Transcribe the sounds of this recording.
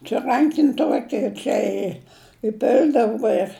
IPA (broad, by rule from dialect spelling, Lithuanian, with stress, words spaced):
t͡ʃʲɛ ˈrɐŋʲkʲɪnʲ ˈtuɔkʲɪ ˈt͡ʃʲɛ ɪ ɪˈpʲɪlʲdɐʋʊ ɪr